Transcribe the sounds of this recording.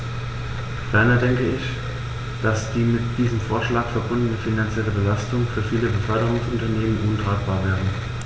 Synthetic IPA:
v̥ɛɐnɐdɛŋkəɪç | d̥asd̥iːmɪtd̥iːzəmfoːɐʃlaːkfɛɐbʊndənəfinant͡sjɛləbəlastʊŋfyːɐfiːləbəfœɐdəʁ̞ʊŋsʊntɐneːmənʔʊntʁ̥aːt̚b̥aːɐvɛːʁən

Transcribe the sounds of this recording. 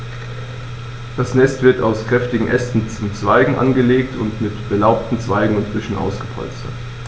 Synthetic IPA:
d̥asnɛstv̥ɪɐtaʊskʁ̥ɛftɪɡŋ̩ʔɛstn̩t͡sʊmt͡sv̥aɪɡŋ̩ʔa̰nɡəleːktʰʊntmɪtb̥əlaʊp̚tn̩t͡sv̥aɪɡŋ̩ʊntb̥ʏʃn̩ʔa̰ʊsɡ̥əpʰɔ̰lt͡stɐ̰t

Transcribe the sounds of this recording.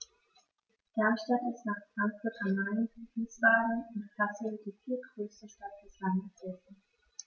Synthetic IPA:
d̥ɛɐmʃtatɪstnaːχfʁ̥aŋkfʊɐtʰɐmaɪnfiːsv̥aːɡn̩ʊntkʰlasəd̥iːfiːɐɡ̥ʁøːstəʃtat̚d̥ɛslandəz̥ɛsn̩

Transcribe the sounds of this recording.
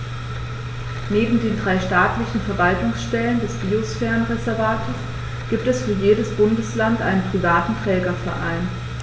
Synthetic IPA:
neːbm̩deːndʁaɪʃtaːtlɪçn̩fɛɐvaltʊŋsʃtɛləndɛsb̥iːosfɛːʁənʁezɛɐvaːtʰəs | ɡ̥iːp̚tɛsfyːɐjeːdəsb̥ʊndəslantʔa̰ɪnənpʁ̥ivaːtn̩tʁ̥ɛːɡɐfɛɐʔa̰ɪn

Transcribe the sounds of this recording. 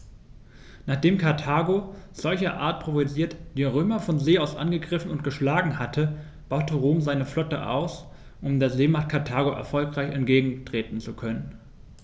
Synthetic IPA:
naːχd̥eːmkʰaɐtʰaːɡoz̥ɔlçɐʔa̰ːɐt̚pʁ̥ovoziːɐtd̥iːʁ̞øːmɐfɔnzeːaʊsʔa̰nɡəɡʁɪfn̩ʊnt̚ɡ̥əʃlaːɡŋ̩hatʰə | b̥aʊtəʁoːmzaɪnəflɔtə̰ʔa̰ʊs | ʔʊmdeːɐzeːmaχt̚kʰaɐtʰaːɡoʔɛ̰ɐfɔlkʁ̥aɪçɛntɡ̥eːɡŋ̩tʁ̥eːtn̩t͡sukʰœnən

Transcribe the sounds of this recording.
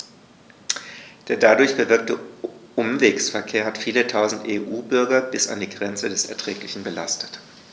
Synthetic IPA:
d̥eːɐdadʊɐçb̥əvɪɐk̚təʔʊmveːksfɛɐkʰeːɐhatfiːlətʰaʊzn̩tʔeːʔuːbʏɐɡɐbɪsa̰ndiːɡʁɛnt͡sədɛsɛ̰ɐtʁ̥ɛːklɪçn̩bəlastʰə̥t

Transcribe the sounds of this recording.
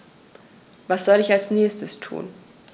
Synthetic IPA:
vasz̥ɔlɪçalsnɛːstəstʰṵːn

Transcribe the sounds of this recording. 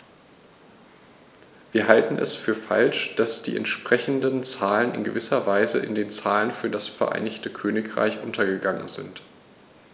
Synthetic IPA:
v̥iːɐɦaltn̩ɛ̰sfyːɐfa̰lʃd̥asd̥ḭːʔɛ̰ntʃpʁ̥ɛçn̩dənt͡saːlənɪ̰nɡəvɪsɐvaɪzə̰ʔɪ̰ndeːnt͡saːlənfyːɐdasfɛɐʔa̰ɪnɪçtəkʰøːnɪkʁ̥a̰ɪçʔʊntʰɐɡəɡaŋə̰nzɪ̰nt

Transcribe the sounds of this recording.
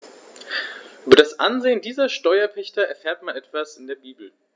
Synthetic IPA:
ʔyːbɐɾasʔanzeːəndiːzɐʃtɔʏɐpʰɛçtɐɛɐfeːɐtmanʔɛtv̥asɪndeːɐbiːbl̩

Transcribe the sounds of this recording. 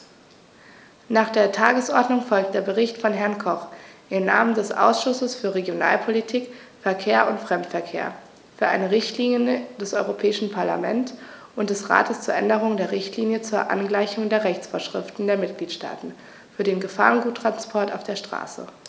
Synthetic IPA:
naːχd̥eːɐtʰaːɡəsʔɔɐdnʊŋfɔlk̚t̚d̥eːɐbəʁɪçtfɔnɦɛɐnkʰɔχʔɪmnaːməndɛsʔa̰ʊsʃʊsəsfyːɐʁeɡjona̰ːlpʰolitʰiːk | fɛɐkʰeːɐʔʊntfʁ̥ɛmtfɛɐkʰḛːɐ | fyːɐʔa̰ɪnəʁɪçtliːnjənd̥ɛsʔɔʏʁopʰɛːɪʃn̩pʰaɐla̰mɛntʔʊnt̚d̥ɛsʁa̰ːtəst͡suːɐʔɛndəʁʊŋdeːɐʁɪçtʰliːnjət͡suːɐʔa̰nɡlaɪçʊŋdeːɐʁɛçt͡sfoːɐʃʁ̥ɪ̰ftn̩deːɐmɪt̚ɡ̥liːtʃta̰ːtn̩ | fyːɐdeːnɡəfa̰ːʁənɡuːtːʁ̥anspʰɔɐta̰ʊfd̥eːɐʃtʁ̥a̰ːsə̰

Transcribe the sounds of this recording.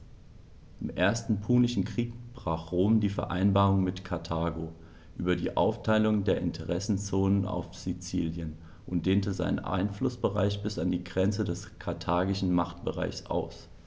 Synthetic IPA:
ʔɪmʔeːɐstn̩pʰuːnɪʃn̩kʁ̥iːk̚b̥ʁaːχʁoːmdiːfɛɐʔa̰ɪnbaːʁʊŋmɪtkʰaɐtʰaːɡoː | ʔyːbɐdiːʔa̰ʊftʰaɪlʊŋdeːɐʔɪntʰəʁɛsn̩t͡soːnəna̰ʊfz̥it͡siːljən | ʔʊntd̥eːntəza̰ɪnə̰nʔa̰ɪnflʊsb̥əʁa̰ɪçb̥ɪsandiːɡʁɛnt͡sədɛskʰaɐtʰaːɡɪʃn̩maχtb̥əʁa̰ɪçsʔa̰ʊs

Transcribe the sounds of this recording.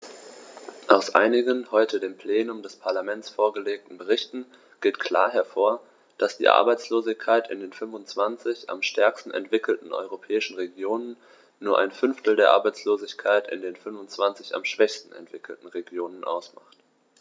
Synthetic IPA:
ʔaʊsʔa̰ɪnɪɡənhɔʏtʰədeːmpʰl̥eːnʊmdɛspʰaɐlamɛnt͡sfoːɐɡəleːk̚tn̩bəʁ̞ɪçtn̩ | ɡ̥eːtkʰl̥a̰ːɐɦɛɐfoːɐ | d̥asd̥ḭːʔa̰ɐbaɪt͡sloːzɪçkʰaɪtɪ̰ndeːnfʏnvʊnt͡sv̥ant͡sɪça̰mʃtʰɛɐkstn̩ɛ̰ntv̥ɪkl̩tn̩ʔɔ̰ʏʁopʰɛːɪʃn̩ʁeɡjoːnənː | uːɐʔa̰ɪnfʏnftl̩deːɐʔaɐbaɪt͡sloːzɪçkʰaɪtɪ̰ndeːnfʏnvʊnt͡sv̥ant͡sɪça̰mʃv̥ɛçstn̩ɛ̰ntv̥ɪkl̩tn̩ʁeɡjoːnənʔa̰ʊsma̰χt

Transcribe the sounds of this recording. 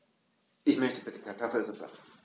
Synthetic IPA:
ʔɪçmœçtəbɪtə̥kʰaɐtʰɔfl̩zʊpla̰

